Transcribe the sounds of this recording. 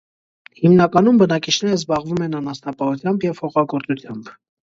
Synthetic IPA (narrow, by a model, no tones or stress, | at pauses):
himnɑkɑnumbənɑkit͡ʃʰnɛɾəzbɑʁvumɛnɑnɑst̪ɑpɑhut̪ʰjɑmbjɛvhɔχɑɡɔɾt͡sut̪ʰjɑmb